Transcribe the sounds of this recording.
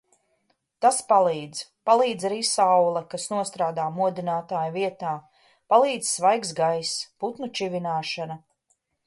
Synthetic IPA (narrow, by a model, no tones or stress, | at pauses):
t̪aspalˠiːd̪zpalˠiːd̪zaɾiːsawlˠɛkasnuɔst̪ɾaːd̪aːmuɔd̪inaːt̪aːjviɛt̪aː | palˠiːd̪zsvajɡzɡajsput̪nut͡ʃivinaːʃana